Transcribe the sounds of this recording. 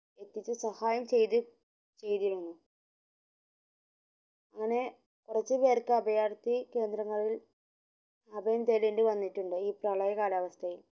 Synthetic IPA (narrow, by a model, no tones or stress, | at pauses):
e̞t̪ːit͡ɕːɨsɐhaːjɐmt͡ɕe̞jt̪ɨ | t͡ɕe̞jt̪iɾunːu | ɐŋːɐne̞ | kurɐt͡ɕːɨpe̞ːrkɨɐbɐjaːɽt̪ike̞ːnd̪ɾɐŋːɐɭil | ɐbʱɐjɐmt̪eːleɳɖɨʋɐnːiʈːuɳɖɨiːprɐːɭɐjɐkaːlaːʋɐst̪ʰɐjim